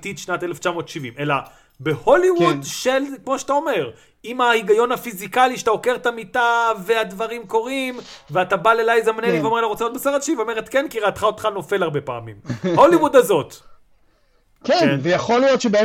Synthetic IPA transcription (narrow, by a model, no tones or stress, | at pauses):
t̪it̪ʃnat̪eleft͡ʃamo̞ːt̪ʃivimʔe̞la | be̞ho̞liwud̪ʃelkmo̞ʃet̪ao̞me̞ʁ | imaiɡajo̞nhafizikaliʃḁt̪ao̞keʁt̪amitavead̪vaʁimko̞ʁimveat̪abalelajzamneniveomeelaʁot͡sjot̪̚besaʁadʃivomeʁet̪kenkiʁeat̪χaot̪χano̞fe̞laʁbe̞paːmḭmholiwud̪azo̞t̪ | kenvejaχolijo̞tʃebe